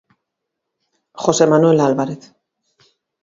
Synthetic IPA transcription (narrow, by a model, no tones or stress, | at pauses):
xo̞se̞manue̞lalβaɾeθ